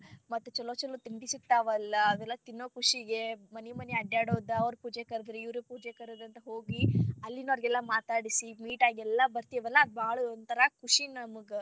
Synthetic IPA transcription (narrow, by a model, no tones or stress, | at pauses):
mɐt̪ːut͡ʃɔloːt͡ʃɐlut̪imbisit̪ːaːʋɐlːɐːd̪ɛlːɐt̪inːoːkuʂiɡemɐnimɐneɐɖjaːɽoːd̪ɐɐʋɾupuːd͡ʒekɐɾd̪ɾeiʋɾupuːd͡ʒekɐɾod̪ɐnt̪ɐɦoːɡiɐlːinɐɾɡɛlːɐmaːt̪aːɽisimiːʈaːɡɛlːɐbɐɾt̪ijɐʋɛlːɐːd̪baːɡɭuond̪t̪ʰɐɾɐkʰuʂinɐmuɡ